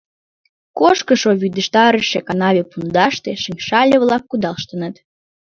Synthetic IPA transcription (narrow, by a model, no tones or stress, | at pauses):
koʃkəʃoβyd̪əʃt̪ɑɾəʃekɑnɑβʲepund̪ɑʃt̪eʃəŋʲʃɑlʲeβlɑkːud̪ɑlʃt̪ənət̪